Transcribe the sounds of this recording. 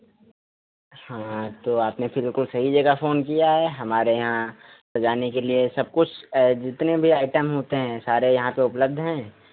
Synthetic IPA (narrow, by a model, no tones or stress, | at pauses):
hãːt̪oːaːpnebɪlkʊlsɐɦid͡ʒɐɡafoːnkijaɦɛːɦɐmaːɾejɐɦã | sɐd͡ʒaːnekeliesɐb̚kʊt͡ʃʰd͡ʒɪt̪nebʱiaːɪʈəmɦoːt̪eɦɛ̃saːɾejɐɦãpeʊpləb̚d̪ʱɦɛ̃ː